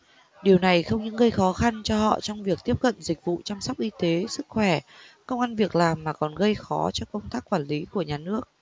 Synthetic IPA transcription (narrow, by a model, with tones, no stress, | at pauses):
ɗi˨˩əwna˨˩jxə˧wŋ͡mɲɨ̰˧˥ŋɣə˧jxɔ˨˦xa˧nt͡ɕɔ˧hɔ̰˧˨t͡ɕɔ˧wŋ͡mvi˨˩ək̚t̪i˦˥əp̚kə̰˧˨nzï˨˩k̟̚vṵ˧˨t͡ɕa˧msɔ˦˥wk͡p̚ʔi˧t̪e˨˦sɨ˦˥k̚xwɛ˧˩kə˧wŋ͡mʔa˧nvi˨˩ək̚laː˨˩mːaː˨˩kɔ˨˩nɣə˧jxɔ˨˦t͡ɕɔ˧kə˧wŋ͡mt̪aː˦˥kːwaː˧˩nli˨˦ku˧˩əɲaː˨˩nɨ˦˥ək̚